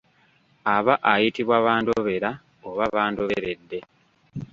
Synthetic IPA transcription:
aβaʔajitiβwaβaːndoβeɾa | oβaβaːndoβeɾe̞dːe̞

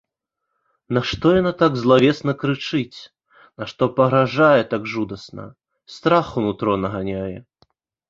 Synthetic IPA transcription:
nɐʂt̪ɔjanat̪aɡzlˠavʲɛsnɐkɾɨt͡ʂɨt͡sʲ | naʂt̪ɔpɐɣɾaʐajɛt̪aɡʐud̪ɐsnɐ̰ | st̪ɾaxunut̪ɾɔnɐɣanʲajɛ

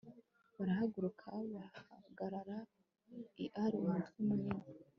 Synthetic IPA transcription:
βaɾahaɡuɾukʰaβaha̰ɡaɾaɾa | iʔaɾiwaːntuwumuɲima

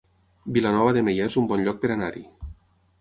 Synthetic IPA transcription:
bilanɔβaðemejaezumbɔnʎɔk̚peɾanaɾi

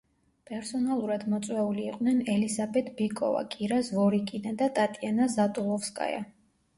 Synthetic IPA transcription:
pʼɛɾsɔnalˠuɾad̪mɔt̪sʼwɛuliːqʼnɛnɛlizabɛt̪ʰbikʼɔ̰va̰kʼiɾasvɔɾikʼinad̪at̪ʼat̪ʼianazat̪ʼulˠɔfskʼa̰ja̰

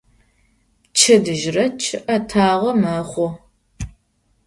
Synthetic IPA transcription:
t͡ʃʰɐdɨʒrɐt͡ʃʰɨʔɐtʰaːʁɐmɐχʷɔ

